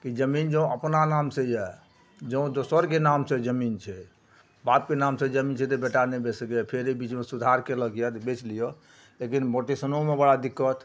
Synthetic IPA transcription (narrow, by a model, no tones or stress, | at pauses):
kid͡ʒəmind͡ʒə̃ũəpnanamsejɛ | d͡ʒəũd̪osəɾkenamsed͡ʒəmint͡ʃʰɛ | bap̚kenamsed͡ʒəmint͡ʃʰɛt̪ebeʈanebesəkpʰeɾebit͡ʃmesud̪ʱaɾkeləɡjɛt̪bet͡ʃlijo | lekinboʈesənomebəɽad̪ikːət̪